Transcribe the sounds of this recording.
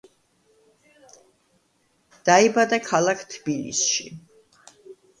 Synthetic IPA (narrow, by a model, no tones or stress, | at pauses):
d̪̥aibad̪akʰalˠakʰt̪ʰbilḭsʃi